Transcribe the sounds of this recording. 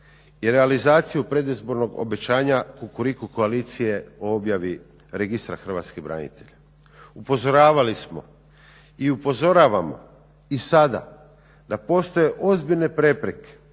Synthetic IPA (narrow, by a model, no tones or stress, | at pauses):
iɾe̞alizaːt̪sijupɾe̞d̪izbo̞ɾno̞ɡo̰be̞t͡ɕaːɲakukuɾikuko̞aliːt̪sije̞o̞o̞bjaʋi | ɾeɡist̪ɾaxr̩ʋa̰ːt̪skebɾa̰ɲḭt̪e̞ʎa | upo̞zo̞ɾaːʋalismo̞̰ | iupo̞zo̞ɾaːʋamo̞̰ | isad̪a̰ | d̪apo̞st̪o̞je̞ʔo̞zbiʎne̞pɾe̞pɾeke̥